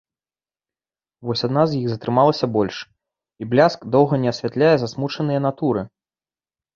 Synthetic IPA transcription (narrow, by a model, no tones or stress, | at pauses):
vɔsʲad̪nazjiɣzɐt̪ɾɨmalˠɐsʲɐbɔlʲʂ | iblʲaskd̪ɔwɣɐnʲɛɐsʲvʲat̪lʲajɛzasmut͡ʂɐnɨjɐn̪at̪uɾɨ